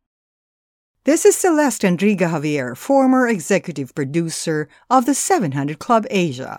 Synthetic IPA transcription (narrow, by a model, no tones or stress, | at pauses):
ðɪsɨz̥səlɛstɨ̃ndɹiɡɨɦɑviɛɹfɔɹmə˞ɨɡzɛkjɨɾɨv̥pʰɹ̥ɨdʉsə˞ | ʌvðɨsɛvɨ̃nɦʌ̃ndɹɨd̚kʰl̥ʌbeɪʒə̰